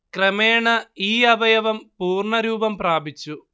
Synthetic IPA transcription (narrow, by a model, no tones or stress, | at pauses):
kɾɐmeːɳɐiːɐbɐjɐʋɐmpuːrɳɐɾuːbɐmpɾaːbit͡ʃːu